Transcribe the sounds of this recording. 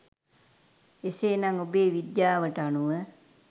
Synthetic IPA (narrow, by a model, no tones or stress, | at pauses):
eseːnaŋobeːʋid̪jaːʋəʈəanuʋə